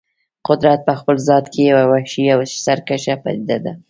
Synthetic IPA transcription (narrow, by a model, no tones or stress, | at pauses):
qʊd̪ɾat̪̚pəxpəlzɑt̪kʰejawawaʃijawʃsaɾkaʃapa̰d̪id̪ad̪a